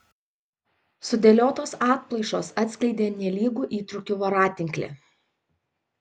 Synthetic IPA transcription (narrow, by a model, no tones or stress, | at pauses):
sʊd̪ʲɛlʲoːt̪oːsɑːt̪̚plˠɐɪʃoːsɐt̪ʲsʲklʲɛɪd̪ʲeːnʲɛlʲiːɡuːʔiːt̪ɾʊkʲʊʋoːɾɑːt̪ʲɪŋʲklʲḛ